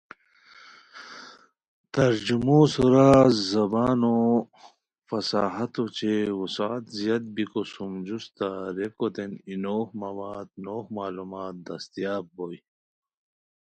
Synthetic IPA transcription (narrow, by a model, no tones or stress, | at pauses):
t̪ɐɾd͡ʑumosuɾazɐbaːno | fɐsaːɦɐt̪ot͡ɕeusaːt̪zjɐt̪̚bikosumd͡ʑust̪aɾekot̪eninoːhmɐwaːd̪noːhmaːlumaːt̪̚d̪ɐst̪ijaːb̚boj